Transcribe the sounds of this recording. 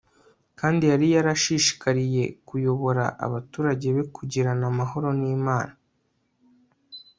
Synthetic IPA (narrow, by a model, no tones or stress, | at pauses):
kaːndijaɾijaɾaʃiʃi̥kaɾije̞kujo̞βo̞ɾa̰ʔa̰βatuːɾaɟe̞βe̞kʰuɟiɾanamaɦo̞ɾo̞niːmaːna